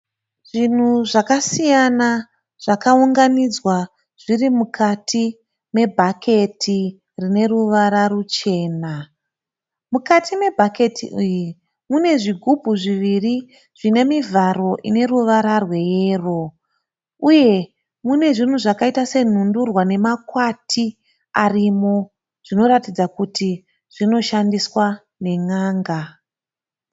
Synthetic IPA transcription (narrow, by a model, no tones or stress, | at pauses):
ʐ̥in̤uʐakasijana | ʐ̥akauŋɡanid͡zwa | ʐ̥irimukʰatʰi | me̞bʱakʰe̞tʰi | rine̞ruʋaɾarut͡ʃe̞ːna | mukatʰime̞bʱake̞tʰḭʔuji | mune̞ʐiɡʱubʱuʐiʋiri | ʐ̥ine̞mivʱaɾo̞ʔine̞ruʋaɾarwe̞jeːro̞ | uje̞ | mune̞ʐin̤uʐakaitase̞n̤undurwane̞makwatʰi | arimo̞ | ʐ̥ino̞ɾatid͡zakuti | ʐ̥ino̞ʃandiswa | ne̞ŋaːŋɡa